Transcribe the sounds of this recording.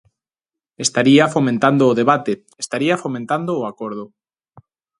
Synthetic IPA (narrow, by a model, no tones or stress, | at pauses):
est̪aɾiafomẽnt̪and̪oːðeβ̞at̪e | est̪aɾiafomẽnt̪and̪oːakoɾð̞o